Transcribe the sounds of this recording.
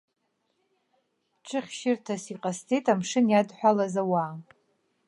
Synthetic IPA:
ʈ͡ʂʰɨχʲʃɪrtʰasiqʼastʰʼejtʼamʂɨnjadħʷᶣalazawa

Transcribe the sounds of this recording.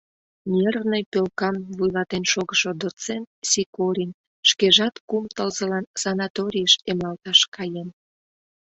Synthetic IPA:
nʲernəjpølkɑmvujlɑt̪enʃoɣəʃod̪ot͡sent̪̚sikoɾʲinʲ | ʃkeʒɑt̪kumt̪əlzə̆lɑnsɑnɑt̪oɾʲijəʃemɑlt̪ɑʃkɑjen

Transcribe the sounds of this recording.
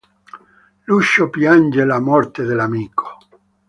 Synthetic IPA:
luʃːopjand͡ʒelamɔrt̪ed̪elamiːkʰo̥

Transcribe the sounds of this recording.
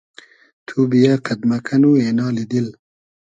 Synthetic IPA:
t̪ʰubijaqad̪makʰanuenɑːlid̪il

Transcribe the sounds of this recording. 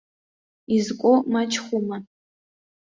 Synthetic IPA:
izkʷʼomat͡ʃʰʼχʷʊma

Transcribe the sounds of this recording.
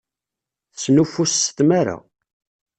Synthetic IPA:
θsnufːusːt̪maɾa̰

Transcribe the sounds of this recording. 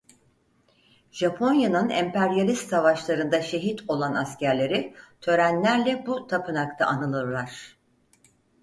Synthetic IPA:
ʒ̥apʰo̞njanɯnɛ̰mpʰæɾjalʲist̪savaʃlˠaɾɯnd̪aʃe̞ɦit̪ʰo̞lˠanascæɾlʲe̞ɾɪt̪ʰø̞ɾænlʲæɾlʲɛbut̪ʰapʰɯnakt̪ʰaʔanɯlˠɯɾlˠaɾ̥

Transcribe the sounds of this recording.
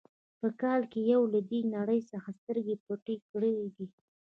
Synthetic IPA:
pəkɑlkejawlad̪enaɽəjsəxast̪əɾɡepoʈekɽəeɡ̪i

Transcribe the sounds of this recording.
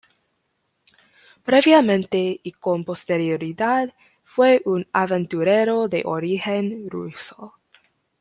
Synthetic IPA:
pɾeβjamẽnt̪eikompost̪eɾjoɾiðað | fweʔunavent̪uɾeɾoðḛʔoɾixenrṵso

